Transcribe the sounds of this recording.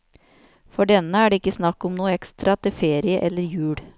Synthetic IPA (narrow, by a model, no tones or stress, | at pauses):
fɔɖɛnəæːɖeːɪkːəsnɑkːɔmnuːəɛkst̪ɾɑt̪ʰɪfeːɾɪəʔɛlːəɾjʉːɽ